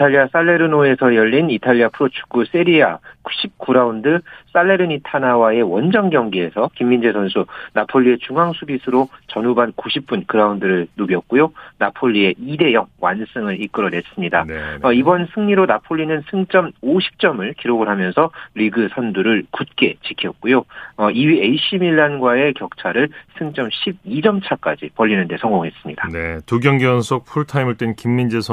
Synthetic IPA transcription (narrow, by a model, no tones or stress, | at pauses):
itʰaʎːias͈aɭːe̞ɾɯnoe̞sʰʌjʌʎːinitʰaʎːiapʰɯɾot͡ɕʰu̥k͈us͈eɾia̰ku̥ɕʰip̚k͈uɾaundɯs͈aɭːe̞ɾɯnitʰanawae̞wʌnd͡ʑʌŋɡjʌŋɡie̞sʰʌkimːind͡ʑesʰʌnsʰunapʰoʎːie̞t͡ɕuŋɦaŋsʰubisʰɯɾot͡ɕʌnubankuɕʰip̚p͈unkɯɾaundɯɾɯɭnoɡjʌt̚k͈ujonapʰoʎːie̞ʔide̞jʌŋwa̰ns͈ʰɯŋɯɾik͈ɯɾʌne̞s͈ɯmɲidaʌibʌnsʰɯŋɲiɾonapʰoʎːinɯnsʰɯŋt͡ɕ͈ʌmoɕʰi̥p̚t͡ɕ͈ʌmɯɭkiɾoɡɯɭɦamjʌnsʰʌɾiɡɯsʰʌnduɾɯɭkut̚k͈e̞t͡ɕikʰijʌt̚k̚k͈ujoʌiɥie̞iɕ͈ʰimiɭːanɡwae̞kjʌk̚t͡ɕʰaɾɯɭsʰɯŋt͡ɕ͈ʌmɕʰib̚id͡ʑʌmt͡ɕʰak͈ad͡ʑipʌʎːinɯnde̞sʰʌŋɡoŋɦes͈ɯmɲid̥anetuɡjʌŋɡiʌnsʰok̚pʰuɭtʰaimɯɭt͈enkimːind͡ʑesʰ